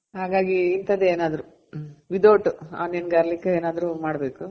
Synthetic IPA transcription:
ɦaːɡaːɡiːnt̪ɐd̪eeːnaːd̪ɐɾu | ʋid̪oːʈua̰ːnenɡeɐɾɐlikːeeːnaːd̪ɐɾumaːɽbe̞ːku

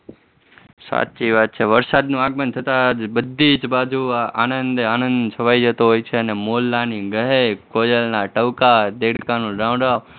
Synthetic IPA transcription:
sa̰ːt̪t͡ʃiːʋaːd̪̚t͡ʃʰeʋəɾsaːd̪nũːaːɡmənt̪ʰət̪ad͡ʒbəd̪ʱiːt͡ʃbaːd͡ʒʱuaʔaːnənd̪eaːnə̃nd̪t͡ʃʰəʋaːid͡ʒət̪oɦoːjt͡ʃʰeənemoːlːaːniɡəɦekoːjəlnaːʈəʋkad̪eːɽkãːnũːɾãːʋ̃ɳɖaː

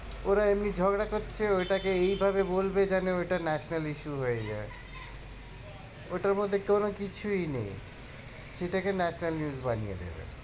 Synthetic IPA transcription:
oɾaemnid͡ʑʱɔɡɽakoɾːʃʰeojʈakeejbʱabebolbed͡ʑaneojʈanɛʃnaliʃuɦoed͡ʑa̰e | oʈaɾmod̪ʱːekonokit͡ɕʰuinḛj | ʃeʈakenɛʃnalnjuzbanijḛd̪ḛbḛ

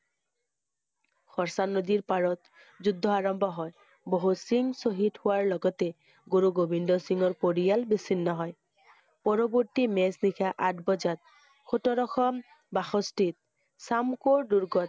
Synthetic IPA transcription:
xɔɹsanod̪iɹpaɹɔt̪ | zud̪ʱːɔaɹɔmbʱɔɦɔj | boɦusiŋsoɦithʊwaɹlɔɡɔt̪e | ɡoɾuɡobindɔsiŋɔɹpoɹijalbisinːɔɦɔj | pɔɹɔboɹt̪imɛsnikʰaʔat̚bɔd͡ʒat̪̚ | xʰotɔɾɔxɔm | baxɔstit̪̚ | samkoɹɖuɹɡɔt̪̚

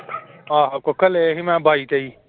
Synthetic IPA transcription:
aːɦakokɐleɦimãbʱaːit̪ɐi

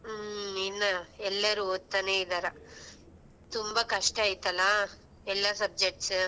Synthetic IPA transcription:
inːɐɛlːɐɾuoːt̪ːaneːid̪aːɾɐ | t̪umbaːkɐʂʈaːjit̪ɐlːa | ɛlːasɐb̚d͡ʒek̚ʈs

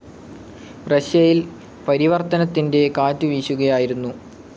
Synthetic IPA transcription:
rɐɕjɐjil | pɐɾiʋɐrt̪ɐnɐt̪ːinde̞kaːtːɨʋiːɕuɣɐjaːjiɾunːu

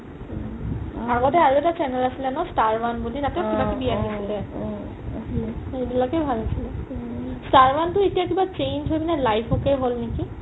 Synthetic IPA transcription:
aɡɔtɛaɹuɛtat͡ʃɛnɛlasilɛnɔstaɹwanbulitatɛokibakɛbijaiisilɛ | ebilakɛbʱalasilɛstaɹwantʊetijakibat͡ʃejnd͡ʒɦojbinɛlajpʰɔkɛjɦolneki

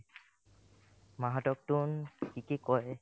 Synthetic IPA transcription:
maɦatɔk̚tunkikikɔj

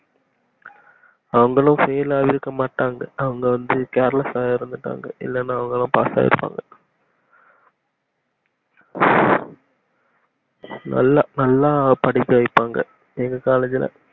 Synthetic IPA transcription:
ɐʋɐŋɡɐɭʊ̃fɛjɐlaːʋɪɾɯkːɐmaːʈːaːŋɡɐɐʋɐŋɡɐʋɐnd̪ɯkeːɾɐlɐsaːɪɾɯnd̪ɯʈːa̰ːŋɡɐʔɪ̰lːɛnːaːɐʋɐŋɡɐɭãpa̰ːsa̰ːɪ̰ɾɯpːa̰ːŋɡɐ | nɐ̰lːanɐlːaːpɐɽɪkːɯʋɐɪpːaːŋɡɐ | ɛŋɡɐkaːlɐd͡ʒɪlɐ̰

